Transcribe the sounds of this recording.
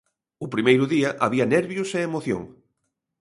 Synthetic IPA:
ʊpɾimejɾʊðiɐʔaβiɐnɛɾβjʊseːmoθjo̰ŋ

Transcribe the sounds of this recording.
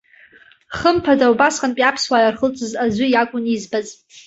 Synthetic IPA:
χəmpʰadawbasqʼanpʼapʰswajarχət͡sʷʼɨzazʷʊjakʷʼʊnizbaz

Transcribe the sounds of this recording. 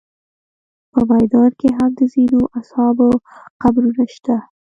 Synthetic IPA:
pəmajd̪ɑnkeɦamd̪əzinoʔashɑboqabɾunaʃt̪a

